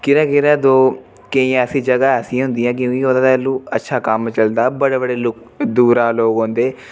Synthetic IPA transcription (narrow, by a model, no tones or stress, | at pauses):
kɪɾaːkɪɾaːd̪oː | keĩːəsĩːd͡ʒəɡaːəsĩɦʊ̃nd̪ijãːk̬jõːkiɦoːd̪aːɛːlːũːətːʃʰaːkəmt͡ʃəld̪aːbəɽeːbəɽeːlʊk | d̪uːɾaːloːɡɦõnd̪eː